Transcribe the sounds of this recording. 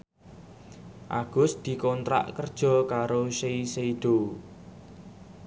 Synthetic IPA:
ʔaɡ̥ʊ̤sd̪̥i̤kɔnt̪ɾa̰ʔkərd̥ʒ̥ɔ̤kaɾoʃeiseid̪̥o

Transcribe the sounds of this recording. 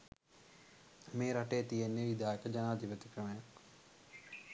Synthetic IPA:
meːɾɐʈeːt̪ijenːeʋid̪ʱaːjɐkɐd͡ʒɐnaːd̪ʱipɐt̪i̥kɾɐmɐja

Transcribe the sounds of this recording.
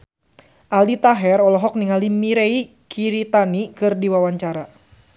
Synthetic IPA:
ʔalit̪aɦɛɾɔlɔɦɔk̚niŋalimiɾei | kʰiɾit̪anikɨrdiwawaɲt͡ʃaɾa

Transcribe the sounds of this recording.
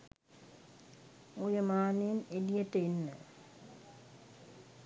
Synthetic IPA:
ujəmaːnenelijəʈəinːə

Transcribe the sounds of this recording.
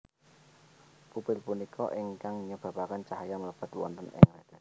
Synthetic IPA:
pupɪlpunikʰɔʔɪŋkaŋɲəb̥a̤pakant͡ʃaɦajamələb̥a̤t̪wɔ̰nt̪ɔnɛ̰ŋlad̪

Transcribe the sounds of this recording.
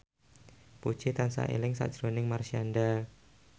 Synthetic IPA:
pu̥t͡ʃet̪ansa̰ʔḛlɪŋsa̰d̥ʒ̥ɾonɪŋmarsianɖa

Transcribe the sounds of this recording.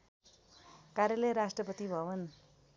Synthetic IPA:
kaɾjʌlʌjɾasʈrʌpʌt̪ibʱʌʋʌn

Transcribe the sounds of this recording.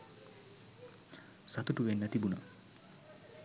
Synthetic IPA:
sat̪uʈuʋenːat̪ibuna̰

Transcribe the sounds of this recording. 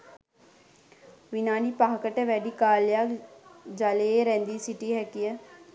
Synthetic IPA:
ʋinaːniːpaːɦkəʈɛʋɛːɖiːkaːljaːkd͡ʒaleːɾɛ̃ːnd̪iːsɪʈiːɦɛkijɛ

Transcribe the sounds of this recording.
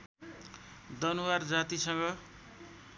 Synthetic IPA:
d̪ʌnuward͡zat̪isʌŋɡʌ

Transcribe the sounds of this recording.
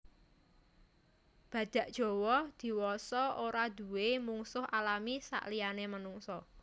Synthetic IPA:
b̥ä̤d̪̥ä̤ʔd̥ʒ̥o̤wɔd̪̥i̤wɔsɔʔoɾad̪̥ṳwemuŋsʊhʔalamisa̰ʔlijanemənuŋsɔ

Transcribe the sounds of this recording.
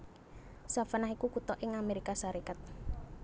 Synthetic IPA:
safənaɦikukut̪ɔʔɪŋameɾikasaɾikat̪̚

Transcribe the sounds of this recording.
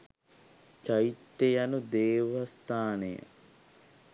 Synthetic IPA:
t͡ʃajit̪ːejanud̪eːʋast̪aːnejə̰

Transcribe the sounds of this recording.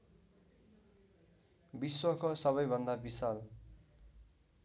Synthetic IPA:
biswʌkosʌβʌjbʱʌnd̪abisal

